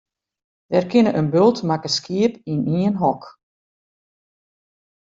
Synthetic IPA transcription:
d̥ɛrkʰɪnəʔənbølˠtmakəskiəpiniənɦɔk

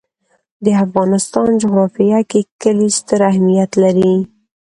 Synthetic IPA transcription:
d̪əafɣɑnɪst̪ɑnd͡ʒʊɣɾɑfijakekəlist̪əɾahmijat̪laɾi

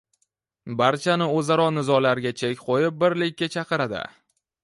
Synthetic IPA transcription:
baɾt͡ʃʰanɪɵzaɾɒnɪzɒlaɾɡʲat͡ʃʰekʲqʰojɪp̚bɪɾlɪkʲːat͡ʃʰɑqɨɾad̪ɪ̰

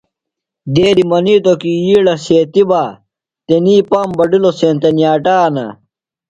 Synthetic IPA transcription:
d̪eːɾimɐniːt̪okiiːɽɐseːt̪ibaː | t̪eniːpɐmbɐɖiloseːnt̪ɐnjaːʈaːnɐ̰

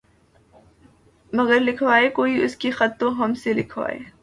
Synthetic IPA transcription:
mɐɡəɾlɪkʰʋaːekoːiʊskixɐt̪ːõɦɐmselɪkʰʋa̰ːḛː

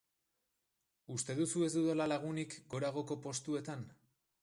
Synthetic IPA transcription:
ust̪e̞ðusue̞zd̪uðolalaɣ̞unikɡo̞ɾaɣ̞o̞ko̞po̞st̪ue̞t̪an

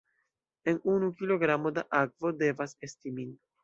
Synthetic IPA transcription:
e̞nunukilo̞ɡɾamo̞daʔak̚vo̞de̞vase̞stimin

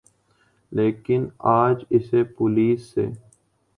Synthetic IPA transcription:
leːkɪnaːd͡ʒɪsepʊliːsːḛː

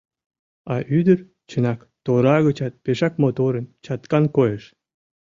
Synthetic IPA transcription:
ɑʔyd̪ər | t͡ɕənɑk | t̪oɾɑɣət͡ɕɑt̪̚peʃɑkmot̪oɾənt͡ɕɑt̪kɑnkojəʃ

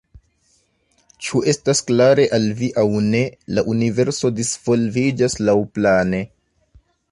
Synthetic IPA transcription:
t͡ʃuʔe̞stasklaɾe̞ʔalviʔawne̞laʔunive̞ɾso̞disv̥o̞lvid͡ʒaslawplane̞

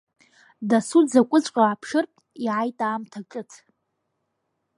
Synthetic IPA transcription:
dasud͡zakʷʼʊt͡ɕʷʼqʼaːpʰʂɨrtʼiʕajtʼaːmtʰaʈ͡ʂʼɨtʰ

